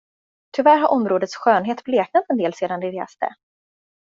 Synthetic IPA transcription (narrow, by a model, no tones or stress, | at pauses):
t̪ʰʏvæːɾɦaɾʔɔmɾoːd̪ət̪sɧøːnɦeːt̪bleːk̚nat̪ːɛnd̪eːlseːd̪and̪ɪɾḛːst̪ə̰